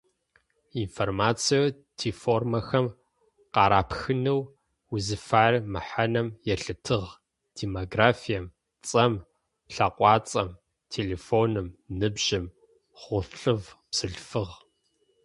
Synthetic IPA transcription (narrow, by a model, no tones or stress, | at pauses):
informaːt͡sʰijo | tʰiːfoːrmɐxɐm | qɑːɾaːpxɨnɨw | uzɨfaːrmɨħanɐmjɛɬɨtʰɨʁ | d̥eːmoɡraːfijɐm | t͡sʼɐm | ɬɐqʷʼɑːt͡sʼɐm | tʰeleːfoːnɨmnɨbʒɪm | χʷʊɬɬɨvpsɨɮfɨʁ